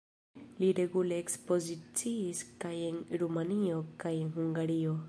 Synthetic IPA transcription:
liɾe̞ɡuleːkspo̞zit͡siːskajenɾumanio̞kajenɦuŋɡaɾio̞

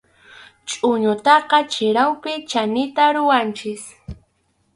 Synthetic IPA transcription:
t͡ʃʼʊɲʊt̪ɑqɑt͡ʃɪɾawpɪt͡ʃanɪt̪aɾʊwant͡ʃɪs

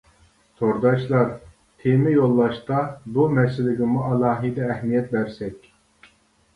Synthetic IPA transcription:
t̪ʰoɾd̪ɑʃlˠɑɾ | t̪ʰemɪjolˠːɑʃt̪ɑbumɛsɪlɪɡʲɪmuʔɑlˠɑːɦid̪ɛːhmijɛt̪̚bɛɾsɛkʲ

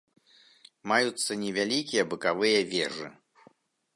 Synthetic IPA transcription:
majut̪sːɐnʲɛvʲalʲikʲijɐbɨkavɨjɐvʲɛʐɨ̰

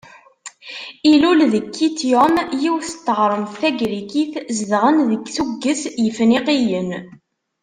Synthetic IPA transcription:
ilulðəkːit̪jomjiwθət̪ːəʁɾˤəmθθæɡɾikiθzðʁənðəɡθuɡːəsjəfniqijən

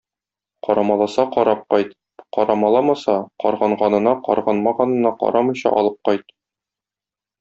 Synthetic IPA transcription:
qɒɾɑmɑlˠɑsɑqɒɾɑp̚qɒjt̪ | qɒɾɑmɑlˠɑmɑsɑqɒ̰ɾʁɑɴʁɑnɤ̆nɑqɒ̰ɾʁɑnmɑʁɑnɤ̆nɑqɒ̰ɾɑmɤ̆ɕɑ̰ʔɒ̰lˠɤp̚qɒjt̪̚

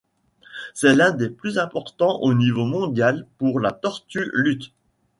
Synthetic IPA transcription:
sɛlɛ̃d̪eplyzɛ̃pɔʁt̪ɑ̃ʔonivomɔ̃d̪jalpuʁlat̪ɔʁt̪ylyt̪

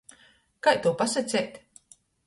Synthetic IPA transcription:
kajt̪uːpasat̪sʲɛjt̪ʲ

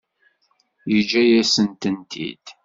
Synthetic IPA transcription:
jəd͡ʒːæjæsənt̪ənt̪ʰḭd̪̥

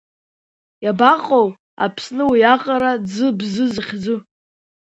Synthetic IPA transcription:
jabaqʼow | a̰pʰsnɨwijaqʼaɾad͡zɨbzɨzχʲd͡zʊ

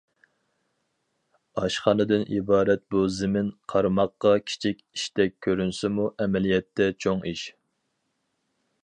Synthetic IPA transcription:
ɑʃχɑnɨd̪ɪnibɑːɾɛt̪̚buzɪmɪnqʰɑɾmɑqːɑkʲʰi̥t͡ʃʰikʲiʃt̪ɛk̚ʲʰːøɾynsɪmuʔɛmɛlijɛt̪ʰːɛt͡ʃʰoŋiʃ

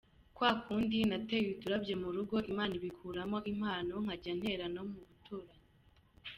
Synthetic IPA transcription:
kwaːkuːndinateβituɾabɟje̞muɾuɡo̞ʔimaːniβikʰuːɾamo̞ʔim̥aːno̞ŋ̥aɟan̥he̞ɾano̞muβutuɾa

